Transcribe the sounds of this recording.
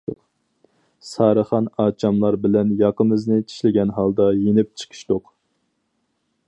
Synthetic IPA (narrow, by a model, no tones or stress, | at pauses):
sɑːɾəχɑnɑːt͡ʃʰɑmlˠɑɾbɪlɛnjɑqəmɨznɪt͡ʃʰi̥ʃlɪɡʲɛnɦɑlˠd̪ɑjenɪp̚t͡ʃʰə̥qʰɨ̥ʃt̪oq